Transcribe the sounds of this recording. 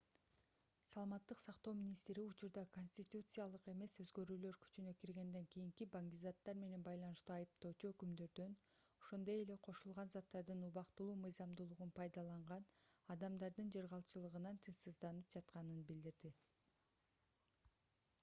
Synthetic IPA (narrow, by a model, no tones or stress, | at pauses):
sɑlˠɑmɑt̪ːɯqsɑqt̪o̞wmʲinʲist̪ɾiut͡ʃuɾd̪ɑko̞nʲsʲt̪ʲit̪ut̪sɨjalˠɯqe̞me̞sø̞zɡø̞ɾyːlø̞ɾky̥t͡ʃynøkiɾɡe̞nd̪e̞ŋkijiŋkibaŋd̪ʲizat̪ːɑɾme̞ne̞nbɑjlˠɑnɯʃt̪uːɑjɯpt̪o̞ːt͡ʃuøkymd̪ø̞ɾd̪ø̞no̞ʃo̞nd̪o̞je̞le̞qʰo̞ʃulˠʁɑnzɑt̪ːɑɾd̪ɯnuβɑqt̪ulˠuːmɯjzɑmd̪ulˠuʁunpʰɑjd̪ɑlˠɑɴʁɑnɑd̪ɑmd̪ɑɾd̪ɯnd͡ʒeɾʁɑlˠt͡ʃɯlˠɯʁɯnɑnt̪ʰɯnsɯzd̪ɑnɯp̚d͡ʒɑt̪qɑnɯnbild̪iɾd̪i